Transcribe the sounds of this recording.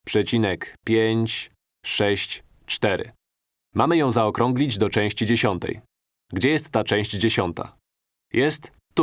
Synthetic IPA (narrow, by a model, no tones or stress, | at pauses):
pʂɛt͡ɕinɛkpʲjeɲt͡ɕ | ʂɛɕt͡ɕ | t͡ʂt̪ɛɾɘ̰ | mamɘjɔ̃w̃zaɔkɾɔ̃ŋɡlʲid͡ʑd̪ɔt͡ʂɛ̃w̃ɕt͡ɕid͡ʑeɕɔnt̪ɛ̰j | ɡd͡ʑɛjɛst̪ːat͡ʂɛ̃w̃ɕd͡ʑd͡ʑeɕɔnt̪a̰ | jʔɛst̪ːu